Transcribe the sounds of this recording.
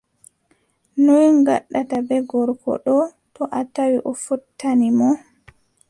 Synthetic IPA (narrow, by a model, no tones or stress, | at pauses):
nojŋɡa̰ɗːatabɛɡɔɾkɔ̰ɗɔ | tɔʔatawiʔɔfutʰːanimɔ